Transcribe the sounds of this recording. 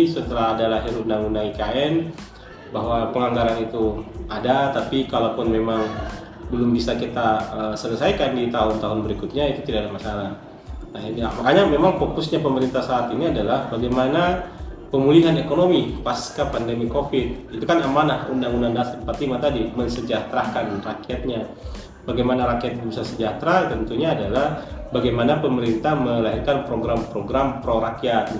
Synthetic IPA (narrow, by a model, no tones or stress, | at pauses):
sət̪əlaɦadalaɦɪɾundaŋundaŋikaɛn | baɦwapəŋaŋɡaɾanit̪uadat̪apikalapʊnmemaŋ | bəlʊmbisakit̪aəsələsajkandit̪aɦʊnt̪aɦʊnbəɾikʊt̪̚ɲait̪ut̪idaadamasala | naiamakaɲamemaŋfokusɲapəməɾint̪ahsaːt̪iniadalahbaɡajmanapəmuliɦanekonomipaskapandemikofɪt̪̚it̪ukanamanahṵndaŋundaŋdaspat̪imat̪adimənsəd͡ʒat̪ɾakanrakiat̪̚ɲa | baɡajmanaɾakiat̪̚dibisarsəd͡ʒat̪ɾat̪ənt̪uɲaːdalahbaɡajmanapəməɾint̪ahməlaɦɪrkanpɾoɡɾampɾoɡɾampɾoɾakiat̪̚